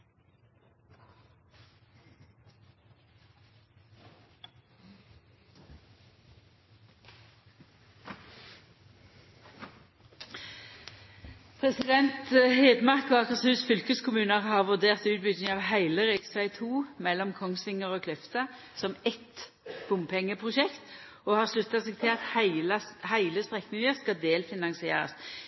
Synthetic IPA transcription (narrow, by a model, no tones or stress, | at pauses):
pʰʁɛsɪd̪ɛnt̪heːd̪mɑʁkoɑkəʁsʉːsfʏlkəskʰʊmʉːnəʁhɑːʁʋʉʁd̪eːʁt̪ʉːt̪̚bʏd̪nɪŋɑːʋhæɪləʁɛsæɪt̪ʰuːmɛlːɔmkʰɔŋsʋɪŋəʁoːkʰlœft̪ə | sɔmɛt̪ | b̥ʊmpʰɛŋːəpʰʁʊʃɛkt̪ | oːhɑːʁslʉt̪ːɑseːɡ̚t̪ʰɪlɑt̪ | hæɪləsp̪ʁɛknɪŋəʁskɑd̪eːlfɪnɑŋsɪḛːʁɑ̰s